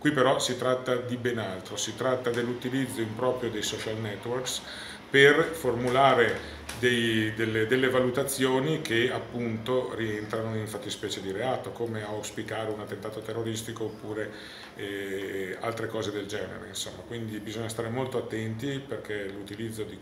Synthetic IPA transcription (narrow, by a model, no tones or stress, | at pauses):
kwipːeɾɔsit̪ɾat̪ːad̪ibenalt̪ɾosit̪ɾat̪ːad̪elːut̪ilid̪zːoimpɾɔːpɾjod̪ejsɔt͡ʃalnɛt̪ːworks | performulaːɾe | d̪ejd̪elːed̪elːevalut̪at̪sːjoːnik̟eapːunt̪orient̪ɾanoiɱfat̪ːispɛːt͡ʃed̪iɾeaːt̪okoːmeawspikaːɾeunat̪ːent̪aːt̪ot̪erːoɾist̪ikoːpːuːɾe | ɛ | a̰lt̪ɾekɔːzed̪eld͡ʒɛːnḛɾḛinsomːakwind̪ibizoɲːas̬t̪aːɾemolt̪oat̪ːɛnt̪iperkʰelut̪ilid̪zːod̪i